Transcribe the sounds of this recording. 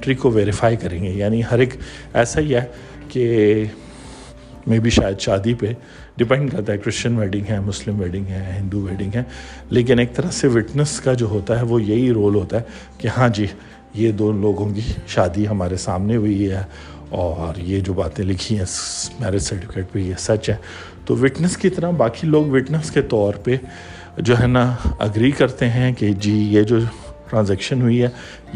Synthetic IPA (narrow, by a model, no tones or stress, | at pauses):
ʈɾikoʋeːɾɪfaːikɐɾẽːŋɡejaːniɦɐɾeːkɛːsaɦiɦɛː | ke | mẽːbʱiʃaːjəd̪ʃaːd̪ipe | ɖɪpɛ̃ɳɖ̚kɐɾt̪aɦɛkɾɪst͡ʃənʋɛːʈɪ̃ŋɡɦɛmʊslɪ̃mʋɛːɖɪ̃ŋɡɦɛɦɪ̃nd̪uʋɛːʈɪ̃ŋɡɦɛ̃ːleːk̬ɪneːk̚t̪ɐɾəɦseʋɪʈnəskad͡ʒoːɦoːt̪aɦɛʋojɐɦiɾoːlɦoːt̪aɦɛ | kehãːd͡ʒiː | jed̪oːloːɡõkiʃaːd̪iɦɐmaːɾesaːmneɦʊiɦɛː | ɔːɾjed͡ʒoːbaːt̪ẽlɪkʰiɦɛ̃mɛːɾɪɖsɐɾʈɪfɪkeːʈ̚pejesɐt͡ʃɦɛː | t̪oːʋɪʈnəskit̪ɐɾabaːkiloːɡʋɪʈnəsket̪ɔːɾpe | d͡ʒoːɦɛːnaɐ̰ɡɾiːkɐɾt̪eɦɛ̃ked͡ʒiːjed͡ʒoː | ʈɾãːnzɛːkʃənɦʊiɦɛː